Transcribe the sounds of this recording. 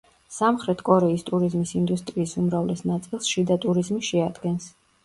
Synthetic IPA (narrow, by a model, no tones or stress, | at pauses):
samχɾɛt̪ʰkʼɔɾɛist̪ʼuɾizmisind̪ust̪ʼɾiːsumɾavlɛsnat̪sʼilˠsʃid̪at̪ʼuɾizmiʃɛad̪ɡɛns